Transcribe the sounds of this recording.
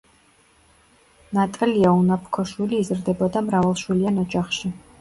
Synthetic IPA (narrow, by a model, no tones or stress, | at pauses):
nat̪ʼɛliaunapʰkʰɔʃwiliːzɾd̪ɛbɔd̪amɾavalˠʃwilianɔd͡ʒaχʃi